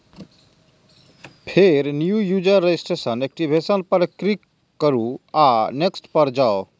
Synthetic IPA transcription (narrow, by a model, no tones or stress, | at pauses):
pʰeɾnjujud͡ʒəɾed͡ʒisʈesənek̚ʈibʱesənpəɾkɾikː | əɾuaneksʈpəɾd͡ʒao